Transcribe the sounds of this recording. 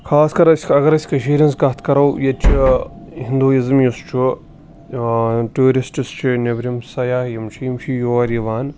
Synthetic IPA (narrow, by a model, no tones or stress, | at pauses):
kʰaːskɐɾsʲkɐɡɐɾɐsʲkɐʃiːɾʲɐnsɡɐt̪ʰkɐɾɐwjɐt͡ʃʰiɦĩnd̪uːizɐmjust͡ʃʰu | ʈuːɾisʈist͡ʃʰinebɾʲimsɐjaːhjimt͡ʃʰijimt͡ʃʰijoːɐɾiʋaːn